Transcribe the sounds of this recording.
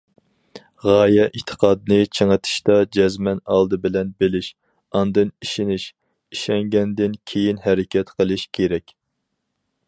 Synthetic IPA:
ʁɑːjɛʔit̪ʰːə̥qʰɑːd̪nɨt͡ʃʰəŋət̪ʰɨ̥ʃt̪ɑd͡ʒɛzmɛnɑlˠd̪ɨbɪlɛnbelɪʃ | ɑnd̪ɨniʃɪnɪʃ | iʃɛŋɡʲɛnd̪ɪnkʲʰejinɦɛɾɪkʲʰɛt̪qʰəlˠɨʃkʲʰeɾɛkʲ

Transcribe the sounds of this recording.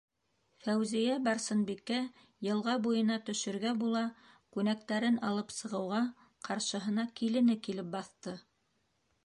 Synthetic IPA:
fæwzijæbɑɾsɤ̆nbikːæ | jɤ̆lˠʁɑbujɤ̆nɑt̪ɵ̆ʃɵ̆ɾɡæbulˠɑ | kʉnæk̚t̪æɾɘnɑlˠɤpsɤ̆ʁɤ̆wʁɑ | qʰɑɾʃɤ̆ɦɤ̆nɑkilɘ̆nɘkilɘp̚bɑθt̪ɤ

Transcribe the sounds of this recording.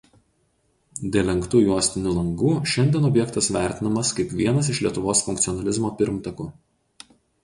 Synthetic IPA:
d̪ʲeːlʲɛŋˑkt̪uːjuɔsʲt̪ʲɪnʲʊlˠɐŋɡuːʃʲɛnʲd̪ʲɛnɔbʲjɛkt̪ɐsʋʲæˑɾʲt̪ʲɪnɐmɐskɐɪpʋʲiɛnɐs̬ɪʃlʲiɛt̪ʊʋoːsfʊŋk̚t̪ʲɔnɐlʲɪzmoːpʲɪɾmt̪ɐkuː

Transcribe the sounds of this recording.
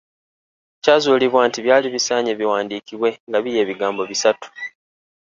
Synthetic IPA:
caːzuːliβwaːntiβjaːliβisaːɲeβiwaːndiːkiβwe̞ŋɡaβije̞ːβiɡaːmbo̞βisatu̥

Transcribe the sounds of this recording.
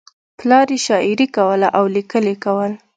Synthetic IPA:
plɑɾeʃɑʔɪɾikawəlaʔawlikəlekawəl

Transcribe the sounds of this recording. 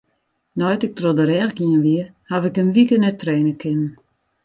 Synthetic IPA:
nɔjtɪk̚trodəɾɛːxɡiənʋiəhaʋɪkənʋikənɛtreːnəkʰɪnən

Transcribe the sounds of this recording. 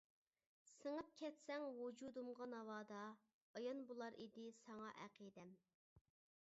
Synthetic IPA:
səŋəp̚kʲʰɛt̪sɛŋwud͡ʒud̪umʁɑnɑwɑːd̪ɑ | ɑjɑnbulˠɑɾid̪ɪsɑŋɑʔæqid̪ɛm

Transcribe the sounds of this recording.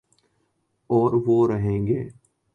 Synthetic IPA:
ɔːɾʋoɾəɦẽːŋɡeː

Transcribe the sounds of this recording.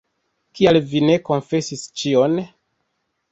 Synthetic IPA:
kialvine̞ko̞nfe̞sist͡ʃio̞n

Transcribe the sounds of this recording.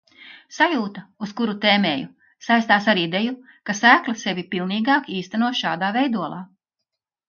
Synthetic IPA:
sajuːt̪ɐuskuɾut̪eːmeːju | sajst̪aːsaɾid̪eju | kasæːklˠasevʲipilˠniːɡaːkiːst̪anuɔsʃaːd̪aːvɛjd̪uɔlˠɑ̰ː

